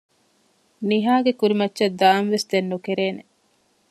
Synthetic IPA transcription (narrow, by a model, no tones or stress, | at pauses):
niɦaːɡekuɾimɐtːʃɐd̪aːnʋesd̪enːukeɾeːne